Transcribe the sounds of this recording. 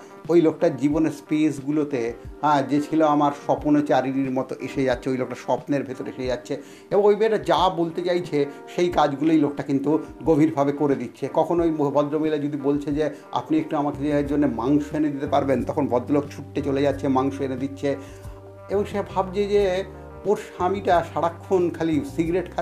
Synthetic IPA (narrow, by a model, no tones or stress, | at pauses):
ojlok̚ʈaɾd͡ʑiboneɾspesɡulot̪eɦɛ̃d͡ʑet͡ɕʰiloamaɾʃɔponot͡ɕaɾiɾiɾmɔt̪oʔeʃed͡ʑatːɕʰeojlok̚ʈaʃɔpneɾbʱet̪oɾeḛʃejatːɕʰe | ebõŋojbeʈad͡ʑabolt̪et͡ɕajt͡ɕʰeʃejkad͡ʑɡulojlok̚ʈakint̪uɡobʱiɾbʱabekoɾed̪itːɕʰekɔkʰonojmobʱɔd̪ɾomejlad͡ʑod̪ibolt͡ɕʰed͡ʑe | a̰pniek̚ʈuamakeeaɾd͡ʑonːemaŋʃoened̪it̪epaɾbent̪ɔkʰonbʱɔd̪ːolokt͡ɕʰuʈːet͡ɕoled͡ʑatːɕʰemaŋʃoened̪itːɕʰe | eboŋʃeabʱabd͡ʑed͡ʑe | oɾʃamiʈaʃaɽakʰːonkʰalisiɡɾeʈkʰa